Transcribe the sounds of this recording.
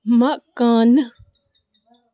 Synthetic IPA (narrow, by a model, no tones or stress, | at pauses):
mãʔkãːnə